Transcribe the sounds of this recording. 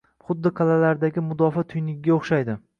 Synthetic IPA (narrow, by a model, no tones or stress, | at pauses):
χʊd̪ːɪqʰɑlalaɾd̪aɡʲɪmʊd̪ɒfat̪ʰʊjnɪkʲɡʲaoχʃajd̪ɪ